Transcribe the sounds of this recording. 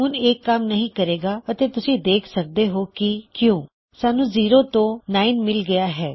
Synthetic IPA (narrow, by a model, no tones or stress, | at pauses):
ɦʊneːkːəmnəɦĩːkəɾeːɡaːət̪eːt̪ʊsĩːd̪eːkʰsək̚d̪eːɦoːkɪkjõː | saːnũːziːɾõːt̪õːnaːinmɪlɡəjaːɦɛː